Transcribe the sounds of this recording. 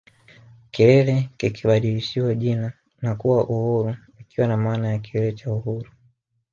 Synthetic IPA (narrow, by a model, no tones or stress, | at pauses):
kiɾɛlɛkikiɓaɗiliʃiwaʄina | nakuwaʔuhuɾu | ikiwanamaːnajakiɾɛlɛt͡ʃauhuɾu